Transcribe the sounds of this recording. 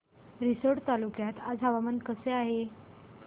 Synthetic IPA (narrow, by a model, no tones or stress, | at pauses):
ɾisəɾɽt̪alukjat̪ad͡zɦaʋamənkəseaɦe